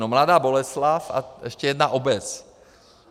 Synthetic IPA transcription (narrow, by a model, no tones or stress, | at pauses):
nomladaːbo̞lɛslafa̰ʔɛʃcɛjɛdnaʔobɛt͡s